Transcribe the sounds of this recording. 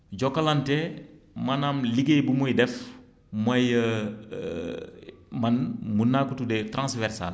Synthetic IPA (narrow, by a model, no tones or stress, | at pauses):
ɟɔkalantɛmɐnamliɡebumujdɛf | mɐjə | mɐnmunːaːkutudɛtɾãnsvɛɾsa̰l